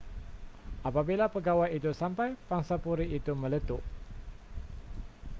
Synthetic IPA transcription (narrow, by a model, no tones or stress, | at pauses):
ʔapabilapəɡawajit̪usampajpaŋsapuɾiːt̪umə̃lət̪uʔ